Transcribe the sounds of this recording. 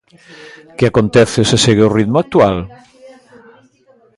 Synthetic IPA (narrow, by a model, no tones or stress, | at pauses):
keakont̪ɛθeseseɣeʊrit̪mak̚t̪ual